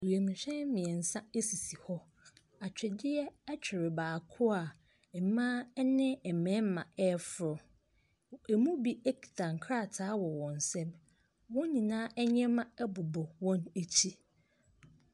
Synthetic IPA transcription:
wi˨e˨mĩ˨ɕᶣɛ̃˦n˦mĩ˨ɛ̃˨n̩˨sã˦e˦si˨si˨hɔ˦ | a˨t͡ɕᶣɪ˨dɪ˦jɛ˦ɛ˦t͡ɕᶣɪ˨ɾɪ˨baː˨kʰʊ˦a˨ | ɛ˨˦mãː˦nɪ̃˦ɛ˨mɛ̃˨˦m˦mã̰˨ɛ˦fʊ˨ɾʊ˨ | ɛ˨mũ˦bi˦e˦kʰi̥˨tʰã˨ŋ̩˨kʰɾa˦˨tʰaː˨˦wɔ˨wɔ̃˨n˨sɛ̃˦m | wɔ̃˦nĩ˨nãː˦ʔɛ˦ɲ˦ɛ̃˦mã˦ɛ˦bʊ˨bɔ˨wɔ̃˦ne˦t͡ɕʰi˦

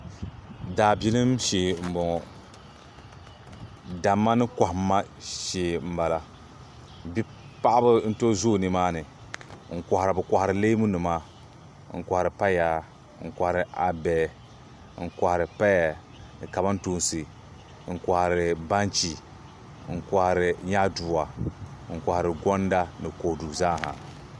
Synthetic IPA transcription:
daː˨bi˦lɨ˦mʃeː˨m̩˨bɔ˨ŋ˨ | da˨mːa˦nɨ˦kɔ˨ha˦ | ʃeː˨m̩˦ba˨la˦ | bi˦ | pa˦ʔa˦bɨ˦n̩˦to˦zu˦˨nɨ˨maː˦nɨ˨ | ŋ̩˨kʷɔ˨hɾɨ˨bɨ˨kɔ˨hɾɨ˨le˦mu˦nɨ˨ma˦ | ŋ̩˨ka˨hɾɨ˨pa˦jaː˦ | ŋ̩˨kʷa˨hɾɨ˨ʔa˨bɛ˨ | ŋ̩˨kʷa˨hɾɨ˨pa˦ja˨ | nɨ˨ka˨ba˦n˦to˦n˦si˨ | ŋ̩˨ka˨hɾɨ˨ba˦nt͡ʃi˨ | ŋ̩˨ka˨hɾɪ˨ɲa˦duː˨wa˨˦ŋ̩˨kʷa˨hɾɨ˨ɡɔ˦n˦da˦nɨ˨ko˨du˨zaː˦˨ha̰˨

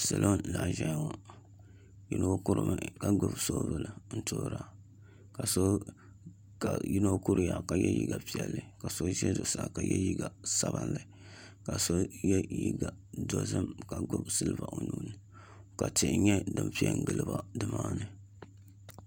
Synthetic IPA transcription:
sa˨lʔo˦nla˨ʒɛ˦jŋo˨ | ji˦no˦ku˦ɾɨ˨ma˨ka˨ɡ͡bʊ˦bso˦vɨ˨lɨ˨n̩˦toː˦ɾaː˦ | ka˨so˦ | ka˨ji˦no˦ku˦ɾɨ˨ja˨ka˨jɛ˦jḭ˦ɡa˨pi˨ɛ˨lːɨ˨ka˨so˦ʒɛ˦do˨sa˨ka˨jɛ˦ji˦ɡa˨sa˦ba˦˨nlɨ˨ | ka˨so˦jɛ˦ji˦ɡa˨do˨zɨ˦mka˨ɡʊ˦bsɨ˦lɨ˦˨ba˨ʔo˨nuː˨˦nɨ˨ | ka˨tɪ˨ʔɲɛ˦dɨ˨mpi˦ɛ˦ŋ̩˨ɡɨ˨lɨ˨ba˦dɨ˨maː˦nɨ˨

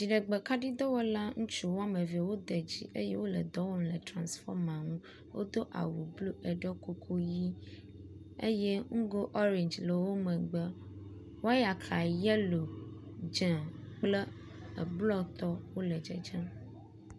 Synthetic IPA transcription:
d͡ʒi˨ɖə˨ɡ͡bɛ˨ka˦ɖi˦d̪ɔ˦wɔ˦la˦ŋũ˦t͡ʃu˦wo˦a˦me˨vi˨a˨wo˦d̪ɛ˨d͡ʑḭ˦ʔe˦je˦wo˦lə˨d̪ɔ˦wɔ˦mlə˨tɾã˨nsfɔ˦ɾmã˨ŋũ˦ | wo̰˦d̪o˦ʔa̰˨wu˨blu˦ʔə˨ɖɔ˦ko˦kʰo˦ji˦ | ḛ˦je˦ŋ̩˦ɡo˦ʔɔ˦ɾẽ˨ɲd͡ʒlə˨wo˦mə̃˨ɡ͡bə˦ | wo˦a˦ja˨kʰa˨jɛ˦lo˨ | d͡ʒɛ̃˨k͡plə˦ | ə˨blɔ˦t̪ɔ˦wo˦lə˨d͡ʒḛ˨d͡ʒɛ̃˦

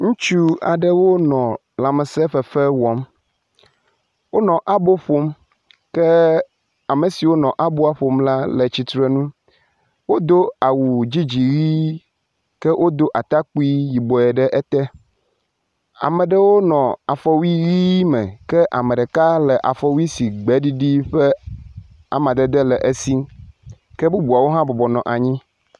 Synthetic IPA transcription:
ŋũ˦t͡ʃu˦a̰˨ɖɛ˦wo˦nɔ̃˨ | la˨mɛ˨sɛ˦ɸɛ˨fɛ˦wɔ˦m | wo˦nɔ̃˨ʔa˦bo˦ɸo˦m | kɛ˦ | a˨me˨si˨wo˦nɔ̃˨ʔa˦bo˦a˦ɸo˨mla˦lɛ˨t͡ɕi˨t̪ɾe˦nũ˦ | wo˦d̪o˦a˨wu˨d͡ʑi˦d͡ʑi˨ɣi˦ | kɛ˦wʔo˦d̪o˦ʔa˨t̪a˦k͡pu˦i˦ji˨bɔ˨ɛ˨ɖɛ˦ʔɛ˦t̪ɛ˦ | a̰˨mɛ̃˨ɖɛ˦wo˦nɔ̃˨a˨fɔ˦wi˦ɣi˦mɛ̃˨kɛ˦ʔa˨mɛ̃˨ɖɛ˨ka˦lɛ˨ʔa˨fɔ˦wi˦si˨ɡ͡bɛ˦ɖi˦ɖi˦ɸɛ˦ | a̰˨mã˨d̪ɛ˦d̪ɛ˦lɛ˨ʔe˦si˦ | kɛ˦bu˦bu˨a˨wo˦ɦã˦bɔ˨bɔ˨nɔ̰̃˨ʔa˨ɲĩ˦

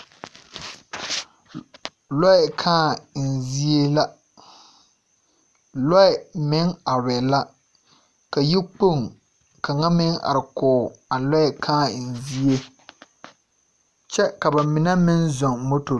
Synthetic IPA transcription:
lɔ˦ɪ˨kʰaː˦˨n̩˨zi˦e˦la˦ | lɔ˦ɪ˨mɪ˦ŋa˨ɾɛ˨la˦ | ka˨ji˦k͡po˦˨ŋ | ka˨ŋa˦mɪ˦ŋa̰˨ɾɪ˨kʊː˨a˨lɔ˦ɛ˨kʰaː˦˨n̩˨zi˦e˦ | t͡ʃɛ˦ka˨ba˨mɪ˨na˦mɪ˦nzɔ˨ŋmo˦to˨˦

